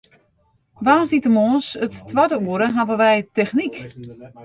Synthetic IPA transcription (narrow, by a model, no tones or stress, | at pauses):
ʋaːsditəmoːsətːwadəuəɾəɦavəʋɛjtɛxnik